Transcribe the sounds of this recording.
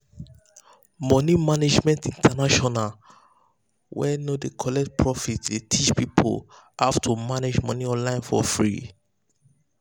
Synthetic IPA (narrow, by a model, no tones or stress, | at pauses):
mɔnimaned͡ʒmɛ̃ntĩntʰanaʃɔnal | wɛnodekʰɔlɛk̚t̚pʰɹɔfitletʰit͡ʃpipʰo̰l | aftʰumaned͡ʒmɔ̃niɔ̃nlãɪ̃nfɔ̰fɹḭ